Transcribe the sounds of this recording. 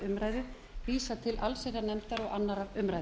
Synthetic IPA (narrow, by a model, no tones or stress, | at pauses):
ʏmɾaːjðʏ | viːsat̪ʰɪlʔalsejɾanɛmt̪aɾɔɣanːaɾavʏmɾaj